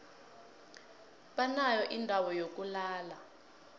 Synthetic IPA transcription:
ɓanajɔʔindʱawɔjok̬ulaːla

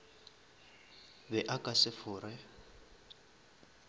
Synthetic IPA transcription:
bɛʔakʼasɪfʊːɾɛ

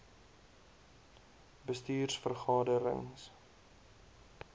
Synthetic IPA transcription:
bəstyːrsfərχɑːdəɾə̰ŋs

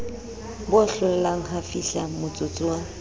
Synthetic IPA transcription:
bʊɬʊlɛlaŋ̩ɦafiɬamʊt͡sʼʊt͡sʼʊa

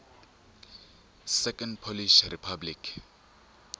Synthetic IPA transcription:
sɛkʰʼɔndpʰolisripʰablikʰ

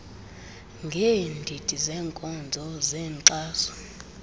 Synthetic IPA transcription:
ŋɡʱeːndʱitʼizɛːŋkʼɔnd͡zʱɔzɛːŋǀaːsɔ̥

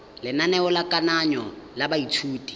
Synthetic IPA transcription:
lɪnanɛʊlakʼanaɲɔlabaitʰuːtʼi̥

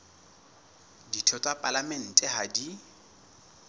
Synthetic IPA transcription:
ditʰɔtʼwapʼalamɛn̩tʼɛhadi

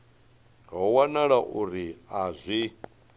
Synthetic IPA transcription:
ŋɡauwanaɺaʔuɾiazʷi

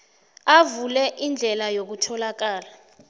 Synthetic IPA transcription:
avulɛʔind͡ɮʱɛlajok̬utʰɔlak̬aːla

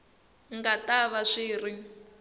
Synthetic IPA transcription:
ŋɡataβaʂiːri

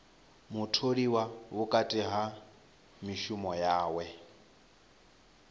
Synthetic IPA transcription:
mʊtʰodiwaʊkʼatʼɪɦa | miʃʊmɔjaːwɛ

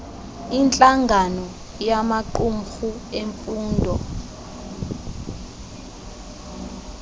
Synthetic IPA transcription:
int͡ɬʼaŋɡʱanɔ | jamaǃum̩xueɱfuːndʱɔ

